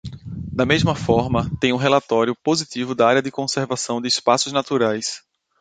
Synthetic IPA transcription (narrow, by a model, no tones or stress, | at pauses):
d̪ɐmezmɐfɔɾmɐt̪ẽj̃ũɦelat̪ɔɾjʊpozit̪ivʊd̪ɐaɾjɐd̪ɪkõseɾvasɐ̃w̃d̪ɪːspasʊznat̪uɾajs